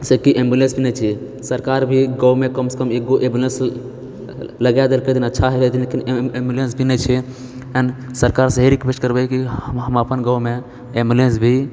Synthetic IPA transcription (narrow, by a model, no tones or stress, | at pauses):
sekiʔembulẽnsbʱinɛt͡ʃʰi | səɾkaɾbʱiɡɔwmekəmsə̥kəmeɡoʔẽmbulẽns | ləɡad̪elkəd̪inətːʃʰaɦɛəd̪inlekinembulẽnsbʱinɛt͡ʃʰɛ | ənsəɾkaɾsəɦeɾikbest͡ʃʈkəɾbɛkiɦəməpənɡɔme | embulensbʱi